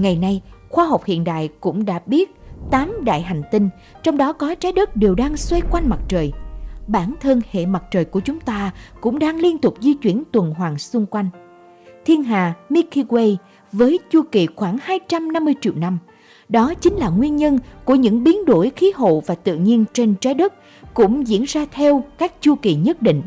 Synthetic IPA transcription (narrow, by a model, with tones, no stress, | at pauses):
ŋa˨˩jna˧jxwaː˧ɦa˨˩wk͡p̚hḭ˧˨ənɗa̰ː˧˨jkʊ̰˧˥ŋ͡mɗa̰ː˧˥ɓi˦˥ət̚t̪aː˨˦mɗa̰ː˧˨jɦa˨˩jŋ̟t̪ï˧ŋ̟ | t͡ɕɔ˧wŋ͡mɗɔ˨˦kɔ˨˦t͡ɕaː˨˦jɗə˦˥k̚ɗe˨˩wɗaː˧ŋswe˧kwa˧jŋ̟ma˨˩t̚t͡ɕəː˨˩jɓaː˧˩nt̪ʰə˧nhḛ˧˨ma˨˩t̚t͡ɕəː˨˩jku˧˩ət͡ɕʊ˨˦ŋ͡mt̪aː˧kʊ̰˧˥ŋ͡mɗaː˧ŋli˧ənt̪ʊ˨˩k͡p̚zi˧t͡ɕwi˧˩ənt̪wə˨˩nɦwaː˨˩ŋsʊ˧ŋ͡mkwa˧jŋ̟ | t̪ʰi˧ənɦa̰ː˨˩mi˧ki˧ɣwe˧j | vəː˨˦jt͡ɕu˧ki˨˩xwaː˧˩ŋhaː˧jt͡ɕa˧mna˧mːɨ˧əjt͡ɕḭ˧˨əwna˧m | ɗɔ˨˦t͡ɕï˨˦ŋ̟laː˨˩ŋwi˧ənɲə˧nku˧˩əɲɨ̰˧˥ŋɓi˨˦nɗo˧˩jxi˨˦ɦo̰˧˨vaː˨˩t̪ɨ̰˧˨ɲi˧ənt͡ɕe˧nt͡ɕaː˨˦jɗɨ˦˥k̚ | kʊ̰˧˥ŋ͡mzḭ˧˥ənzaː˧t̪ʰɛ˧wkaː˦˥k̚t͡ɕu˧ki˨˩ɲə˦˥t̚ɗḭ̈˧˨ŋ̟